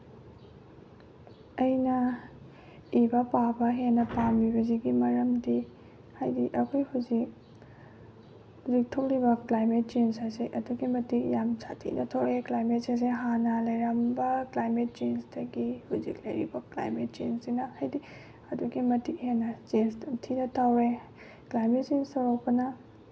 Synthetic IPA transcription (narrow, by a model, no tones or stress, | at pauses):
ɐjnɐ | ibɐpabɐɦenɐpambibɐziɡimɐɾɐmdi | hajdiʔɐkʰojhuzik̚ | huzik̚tʰok̚libɐklajmet̚t͡ʃensaseʔɐduɡimɐtik̚jamsa̰tʰḭnɐtʰokɾeklajmet̚ses̬eɦanɐlɐjɾɐmbɐklajmet̚t͡ʃensdɐɡihuzik̚lɐjɾḭbɐkla̰jmet̚t͡ʃensinɐhajdi | ɐduɡimɐtik̚henɐt͡ʃensdɐmtʰinɐtʰawɾe | klajmet̚t͡ʃenstoɾok̚pɐnɐ